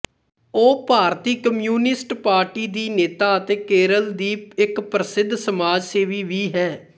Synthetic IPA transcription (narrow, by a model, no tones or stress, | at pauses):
oːpaːɾt̪iːkəmjuːnɪsʈpaːɾʈiːd̪iːneːt̪aːət̪eːkeːɾəld̪iːɪkpɾəsɪd̪ʱːsəmaːd͡ʒseːʋiːʋiːɦɛː